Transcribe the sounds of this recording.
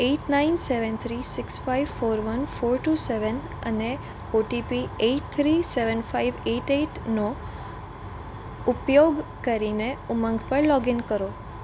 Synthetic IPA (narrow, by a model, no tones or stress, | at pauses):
eʈnainseʋənt̪ʰɾisɪksfajʋfoɾʋənfoɾʈuseʋən | ə̰ne | oʈipieʈt̪ʰɾiseʋənfaiʋeʈeʈno | upjoɡkəɾineumə̃ŋɡpəɳlɔɡinkəɾo